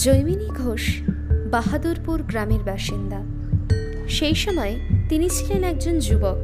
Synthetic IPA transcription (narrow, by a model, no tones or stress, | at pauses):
d͡ʑojminiɡʱoʃ | baɦad̪uɾpuɾɡɾameɾbaʃind̪a | ʃejʃɔmɔet̪init͡ɕʰilenɛkd͡ʑond͡ʑubɔk